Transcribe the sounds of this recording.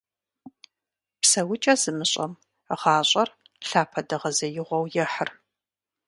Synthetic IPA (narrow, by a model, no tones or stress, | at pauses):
psɐwʊt͡ʃʼɐzɨmɨɕʼɐm | ʁɑːɕʼɐr | ɬaːpʰɐdɐʁɐzɐjɪʁʷɔwjɛħər